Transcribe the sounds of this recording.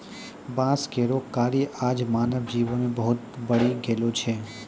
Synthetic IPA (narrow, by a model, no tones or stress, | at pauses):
bãskeɾokaːɾiʔad͡ʒmaːnəʋd͡ʒiʋonebəɦʊt̪bəɽeɡelot͡ʃʰe